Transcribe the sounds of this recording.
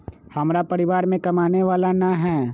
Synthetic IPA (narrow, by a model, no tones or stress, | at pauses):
hɐmɾapəɾɪʋaːɾmẽkɐmaːneʋaːlanaɦɛː